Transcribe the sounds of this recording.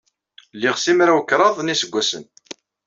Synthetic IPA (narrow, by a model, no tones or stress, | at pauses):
lːiʁsimɾawəkːɾˤɑðˤnisəɡʷːæsən